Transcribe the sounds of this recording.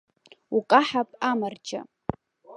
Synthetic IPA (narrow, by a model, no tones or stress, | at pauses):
ukʼaħapʼamard͡ʒa̰